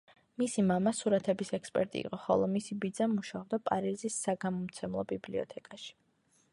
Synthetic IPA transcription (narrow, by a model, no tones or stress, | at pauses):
misimamasuɾat̪ʰɛbisɛkspʼɛ̰ɾt̪ʼḭːqʼɔχɔ̰lˠɔmisibid̪zamuʃavd̪apʼaɾizisːaɡamɔmt̪sʰɛmlˠɔbibliɔ̰t̪ʰɛkʼaʃi̥